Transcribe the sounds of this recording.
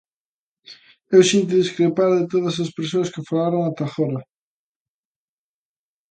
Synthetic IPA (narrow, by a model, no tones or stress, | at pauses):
ewsint̪̬oðiskɾepaɾðɪt̪oðɐs̬ɐspeɾsoɐskɪfalaɾoŋat̪axoɾɐ